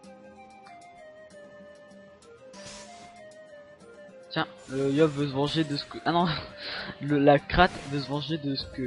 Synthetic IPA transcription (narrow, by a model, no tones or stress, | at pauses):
t̪jɛ̃əjɔbvøsəvɑ̃ʒed̪əsə̥kəʔanɔ̃ | ləlakχat̪vəs̬əvɑ̃ʒed̪əsə̥kə